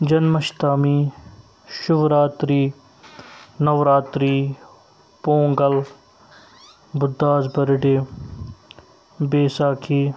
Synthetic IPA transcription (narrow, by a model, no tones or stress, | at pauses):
d͡ʒɐnmɐʃt̪aːmiː | ʃʊʋɾaːt̪ɾiː | nɐʋɾaːt̪ɾiː | põːŋɡəl | bʊd̪ːaːzbɐɾɖeː | beːsaːkʰiː